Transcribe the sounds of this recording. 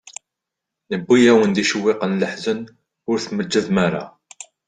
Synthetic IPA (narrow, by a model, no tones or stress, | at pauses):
nəbːijæwənd̪iʃəwːɪqənləħzən | ʊɾθməd͡ʒːəðmæɾa̰